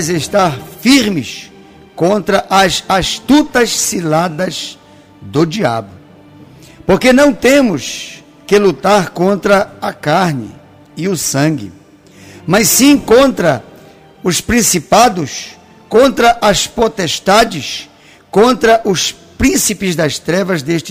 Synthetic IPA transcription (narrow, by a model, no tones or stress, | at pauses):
jzeʃt̪aɾfiɾmɪs | kõnt̪ɾɐʔɐzast̪ut̪ɐssilad̪ɐz | d̪ʊd͡ʒia̰bʊ | poɾkenɐ̃w̃t̪ẽmʊs | kɪlut̪aɾkõnt̪ɾɐɐkaɾnɪ̰ | ɪʊsɐ̃ŋɡɪ̰ | mɐssĩkõnt̪ɾɐ | ʊspɾĩsipad̪ʊs | kõnt̪ɾɐʔɐspot̪est̪ad͡ʒɪs | kõnt̪ɾɐʔʊs | pɾĩsipɪzd̪ɐst̪ɾɛvɐzd̪eʃt͡ʃ